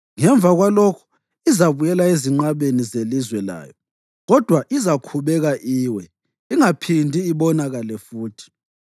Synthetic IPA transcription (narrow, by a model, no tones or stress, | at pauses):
ŋɛɱb̪vʱaɣwalɔkʰu̥ | izaβujɛlaeziŋ͡ǃaβenizelizwɛla̰ːjɔ | ɣɔd̥ʱwaʔizakʰuβɛɣaʔiːwɛ | iŋapʰindʱiːβɔnaɣalɛfuːtʰi̥